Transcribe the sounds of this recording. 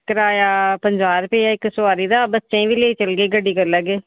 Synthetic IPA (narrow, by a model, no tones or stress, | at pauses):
kəɾaːjaːpəɲd͡ʒaːɾpeːjaːɪkːsʊaːɾiːd̪aːbət͡ʃẽʋileːt͡ʃəlɡeːɡəɖiːkəɾlːaːɡeː